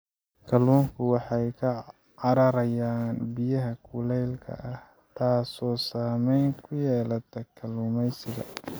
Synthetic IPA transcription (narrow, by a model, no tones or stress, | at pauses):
kʰɐluːŋkʰʊwɑħɑjkʰɐ | ɑɾɐɾɐjaːnbɪjɐɦɐkʰuːlɛjlkʰɐ̰ʔɐh | t̪ʰaːsɔːsaːmɛjŋkʰʊjɛːlɐt̪ʰɐkʰɐluːmɛjsɪɣɐ̰